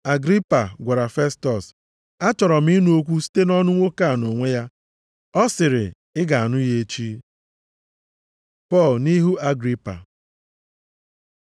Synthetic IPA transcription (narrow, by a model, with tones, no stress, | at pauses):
a˨ɡɾi˦pa˨ɡʷa˨ɾa˨fe˦stɔ˨s | a˦t͡ʃɔ˨ɾɔ˨m̩i˦nu˦o˦kʷu˦si̥˦te˦nɔ˦nʊ˦ŋʷo˦ka˦˨no˨ŋʷe˦ja˦ | ɔ˦sɪ˨ɾɪ̰˨ | ɪ˦ɡa˨a˨nʊ˦je˦t͡ʃi˦ | pɔ˦˨lni˦ɦu˦a˦ɡɾi˦pa̰˨